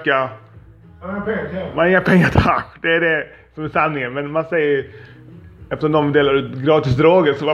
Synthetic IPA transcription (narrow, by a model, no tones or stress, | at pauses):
kːa | manɪŋːapʰɛŋːat̪ʰakːd̪ɛːɖɛ | sɔmæsanːɪŋənmɛnmansɛjːə | ɛft̪əʂɔmd̪ɔmd̪eːlaɾʉːt̪ɡɾɑːt̪ɪsd̪ɾoːɡəsɔ